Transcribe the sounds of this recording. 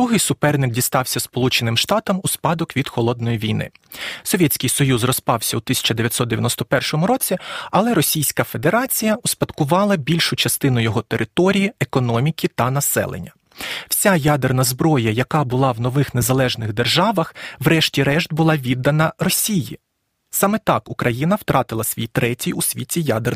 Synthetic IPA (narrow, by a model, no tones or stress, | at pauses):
d̪ɾuɦɪjsʊpɛrnɪk̚dʲist̪ɑwsʲɐspɔlˠut͡ʃenɪmʃt̪ɑt̪ɐmuspɑd̪ɔkʋʲid̪xɔlˠɔd̪̚nɔjiʋʲijnɪ̰ | sɔʋʲɛtʲt͡sʲkʲɪjsɔjuzrɔspɑwsʲɐut̪ɪsʲɐ̥t͡ʃɐd̪eʋʲjɐt̪ʲsɔt̪d̪eʋʲjɐ̰nɔst̪ɔpɛrʃɔmʊɾɔt͡sʲiɐlˠɛɾɔsʲijsʲkɐfe̞d̪e̞ɾɑt͡sʲijɐʊspɐd̪kʊʋɑlˠɐbʲilʲʃʊt͡ʃɐst̪ɪnʊjɔɦɔt̪eɾʔɪt̪ɔɾʲijiekɔnɔmʲikʲit̪ɐnɐsɛ̰lˠḛnʲːɐ | w̥sʲajad̪ernɐzbɾɔjɐjɐkɑbʊlˠɑwnɔʋɪxne̞zɐlˠɛʒnɪɣd̪erʒɑʋɐxwɾɛʃtʲiɾɛʃt̪̚bʊlˠɑʋʲid̪ːɐnɐrɔsʲiji | sɑmɛt̪ɑkʊkɾʔɐjinɐwt̪ɾʔɑt̪ɪlˠɐsʲʋʲijt̪ɾɛtʲijʊsʲʋʲitʲijad̪er